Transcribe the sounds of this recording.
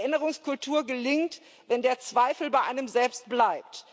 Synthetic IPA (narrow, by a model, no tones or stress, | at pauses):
ʔɪnəʁ̞ʊŋskʰʊltʰuːɐɡəlɪŋt | vɛndeːɐt͡sv̥aɪfl̩baɪʔaɪnəmzɛlpst̚b̥laɪp̚t